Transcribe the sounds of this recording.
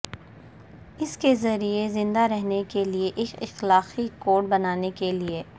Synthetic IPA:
ɪskezɐɾiezɪ̃nd̪aɾɛɦnekelieʔɪkɪxlaːxikoːʈ̚bɐnaːnekelieː

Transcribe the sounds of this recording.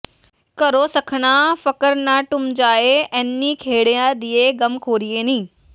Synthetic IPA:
kɐɾoːsɐkʰəɽ̃ãfɐkəɾnãʈʊmd͡ʑaːeɐnːĩkʰeːɽijãd̪ieɡɐmkʰoːɾieːnĩː

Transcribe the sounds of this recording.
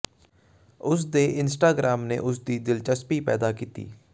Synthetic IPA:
ʊs̬d̪eːʔɪnsʈaːɡɾaːmnḛːʔʊsd̪iːd̪ɪlt͡ʃəspiːpɛ̰ːd̪aːkiːt̪ḭː

